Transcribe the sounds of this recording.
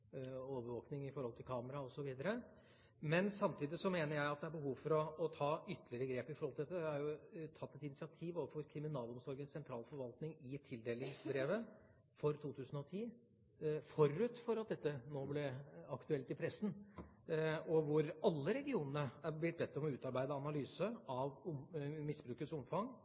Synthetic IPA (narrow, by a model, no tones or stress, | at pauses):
oːʋəɾʋoːknɪŋɪfɔɾhɔlt̪ʰɪlkʰɑːməɾɑɔsɔʋiːd̪əɾə | mɛnsɑmt̪ʰiːd̪ɪsɔmeːnəɾjæɪɑt̪̚d̪ɛæɾbəhuːʋfɔɾɔːt̪ʰɑːʏt̪ːəlɪəɾəɡɾeːpɪfɔɾhɔlɪd̪ɛt̪ːəæhɑɾjʊt̪ʰɑt̪ːɛt̪ɪnɪsɪɑt̪ʰiːʋoːʋəfɔɾkʰɾɪmɪnɑːlɔmsɔɾɡənssɛnt̪ʰɾɑːlfɔɾʋɑlt̪nɪŋɪt̪ʰɪld̪eːlɪŋsbɾeːʋə | fɔɾt̪ʰuːt̪ʰʉːsən̩ɔt̪ʰiː | fɔɾʉt̪fɔɾɑt̪̚d̪ɛt̪ːənoːblɛɑkt̪ʉɛlt̪ɪpʰɾɛsn̩ | ɔʋʊɾɑlːəɾɛɡɪuːnənəæɾblɪt̪̚bɛt̪ːɔmɔʉːt̪ɑɾbæɪd̪əɑnɑlyːsəɑʋmɪsbɾʉːkəsʊmfɑŋ